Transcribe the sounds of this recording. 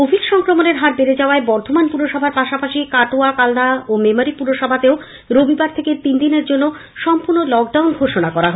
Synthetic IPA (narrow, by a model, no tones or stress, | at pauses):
obʱilʃɔŋkɾomoneɾɦaɾbeɾed͡ʑaoaebɔɾt̪ʰomanpuɾoʃɔbʱaɾpaʃapaʃikaʈoakalnaomemoɾipuɾoʃɔbʱat̪eo | ɾobʱibaɾt̪ʰeket̪ind̪ineɾd͡ʑonːo | ʃɔmpuɾnolɔkɖawnɡʱoʃonakɔɾaɦo